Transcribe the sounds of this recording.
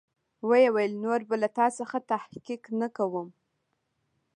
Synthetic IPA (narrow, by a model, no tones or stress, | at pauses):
wəjawajəlnoɾbalat̪ɑsəxat̪ahkiknakawəm